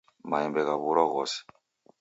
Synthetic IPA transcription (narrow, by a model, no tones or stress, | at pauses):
majɛmbɛkaβuɾɔɣɔsɛ̥